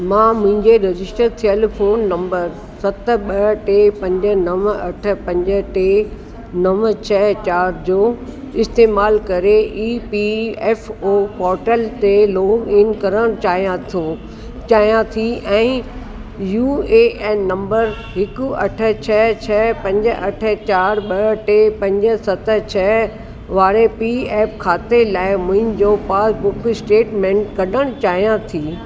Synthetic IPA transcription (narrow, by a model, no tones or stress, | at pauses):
mãːmʊ̃ɦɪ̃ɲd͡ʑeɾɐd͡ʑɪsʈəɾt̪ʰijəl̆fʰoːnːɐ̃mbəɾ | sɐt̪̆ɓɐʈeːpɐ̃ɲd͡ʑə̆nɐʋɐʈʰə̆pɐ̃ɲd͡ʑə̆ʈeː | nɐʋt͡ɕʰɛɦt͡ɕaːɾd͡ʑoː | ɪst̪eːmaːlkɐɾeʔiːpiɛːfoːpɔːɾʈəlt̪eloːɡɪnkɐɾəɽ̃t͡ɕaːijãt̪ʰũ | t͡ɕaːɦijãt̪ʰiʔɛ̃ː | juːeːnnɐ̃mbəɾ | ɦɪkʊɐ̰ʈʰə̆t͡ɕʰɛt͡ɕʰɛːpɐ̃ɲd͡ʑə̆ʔɐʈʰə̆t͡ɕaːɾɓɐʈepɐ̃ɲd͡ʑə̆sɐt̪ə̆t͡ɕʰɛ | ʋaːɾepiɛːp̚kʰaːt̪elaːɪmʊ̃ɦɪ̃d͡ʑopaːsbʊksʈeːʈmẽːɳʈkɐɗəɽ̃t͡ɕaːɦijãt̪ʰiː